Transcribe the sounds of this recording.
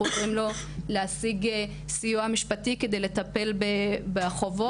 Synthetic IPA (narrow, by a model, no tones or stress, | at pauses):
ot͡simlo̞ | leasiɡ | sijuamiʃpatike̞d̪e̞jle̞t̪ape̞lbebeχovo